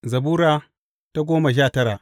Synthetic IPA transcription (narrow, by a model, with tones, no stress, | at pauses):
zɐ˨buː˦ɾaː˦ | ta˦ɡʷoː˦ma˨ʃ̬aː˦˨tɐ˦ɾaː˨ʔ